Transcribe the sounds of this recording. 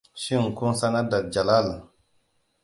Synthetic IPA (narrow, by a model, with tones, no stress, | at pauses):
ʃi˦˨ŋ˨ku˦sa˦na˦da˨t̚d͡ʒa˨la˦˨l